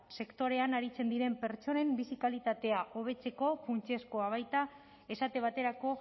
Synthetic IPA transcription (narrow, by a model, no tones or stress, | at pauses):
se̞kt̪o̞ɾe̞anaɾit͡se̞nd̪iɾe̞mpe̞ɾt͡ʃo̞ne̞mbisikalit̪at̪e̞aʔo̞β̞e̞t͡se̞ko̞funt͡ʃe̞sko̞aβ̞ajt̪a | e̞sat̪e̞β̞at̪e̞ɾako̞